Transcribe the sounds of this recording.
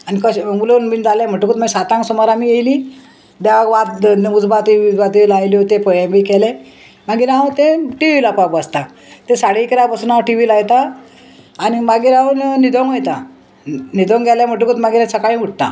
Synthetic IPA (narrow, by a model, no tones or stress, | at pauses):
anikəɕŋɡulonmiːnd͡zaljãm̤əʈukut̪masat̪ãŋksɔmɔɾamiːjejli | bjaɡʋat̪ud͡zbat̪iibat̪ilajljot̪ẽpəjabikɛle | maɡiːɾãwt̪ẽʈiʋilapapast̪a | t̪esaɽikɾabəsuːnaʈiʋilaɡt̪aː | nimaɡiɾawnnid̪ʱɔŋɡejt̪a | nid̪ʱɔŋɡʱɛlam̤əʈ̬ukut̪maɡiɾasʰəkaɭĩuʈ̚t̪a̰